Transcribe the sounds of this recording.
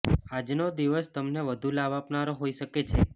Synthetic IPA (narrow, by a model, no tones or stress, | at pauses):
ad͡ʒnod̪iʋəst̪əmneʋəd̪ʱulaʋapnaɾoɦoiʃəket͡ʃʰe